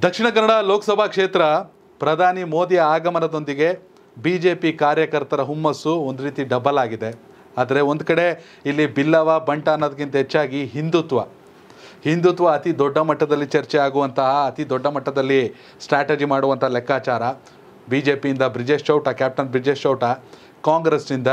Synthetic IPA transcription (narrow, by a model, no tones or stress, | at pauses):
d̪ɐkʂiɳɐk̬ɐnɐɽaloːkɐsɐbʱakʂeːt̪ɾɐ | pɾɐd̪ʱaːnimo̞ːd̪ijɐaːɡɐmɐnɐd̪o̞nd̪iɡe̞ | biːd͡ʒe̞ːpikaːɾjɐkɐɾt̪ɐɾɐɦumːɐsuond̪uɾiːt̪iɖɐbɐlaːɡid̪e | aːd̪ɐɾe̞o̞nd̪kɐɽe̞ | ilːibilːɐʋabɐɳʈɐːnːod̪ɐk̬int̪ɐɦet͡ʃːaːɡiɦind̪ut̪ʋɐ | hind̪ut̪ʋɐːt̪id̪ɔɖːɐmɐʈːɐd̪ɐlːit͡ʃɐɾt͡ʃɛjaːɡuʋɐnt̪ʰɐɦɐːt̪id̪ɔɖːɐmɐʈːɐd̪ɐlːi | sʈɾaːʈed͡ʒimaːɽuʋɐnt̪ʰɐlɛkːaːt͡ʃaːɾɐ | biːd͡ʒe̞ːpijind̪ɐbɾid͡ʒeʃt͡ʃɐwʈɐkjaːp̚ʈɐnbɾid͡ʒeʂt͡ʃɐwʈɐ | kaːŋɡɾesnind̪ɐ